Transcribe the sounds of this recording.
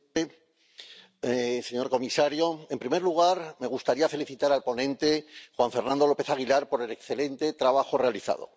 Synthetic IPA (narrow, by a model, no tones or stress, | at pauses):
se̞ɲo̞ɾko̞misaɾjo̞e̞mpɾime̞ɾluɣ̞aɾme̞ɣust̪aɾiafe̞liθit̪aɾalpo̞nẽ̞nt̪e̞xwaɱfe̞ɾnãnd̪o̞lo̞pe̞θaɣ̞ilaɾpo̞ɾe̞le̞ksθe̞le̞nt̪e̞t̪ɾaβaxo̞re̞aliθa̰ðo̞̰